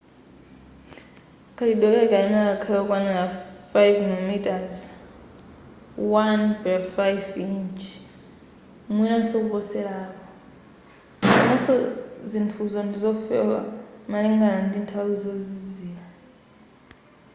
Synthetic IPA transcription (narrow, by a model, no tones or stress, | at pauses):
kʰʼaliɗɔk̬ʼɛkainakakʰaɔk̬wananafajvmilmitʼaz | wanpɛfajfint͡ʃʰ | mwinansɔk̬upɔsɛlaːkɔ | nasɔzintʰuzɔndizɔfɛ̰wa̰maliŋɡanandintʰawizɔziziːla